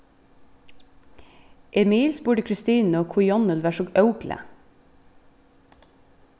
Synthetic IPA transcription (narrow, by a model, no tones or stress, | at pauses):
ʔɛmiːlsbʉːɖəkʰɹɪst̪iːnoːkʰʊjɔnəlʋæːʃɔɡœʉklʔə̰